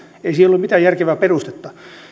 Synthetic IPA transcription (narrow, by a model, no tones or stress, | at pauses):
eisielolumit̪æjærkeʋæːperust̪et̪ːɑ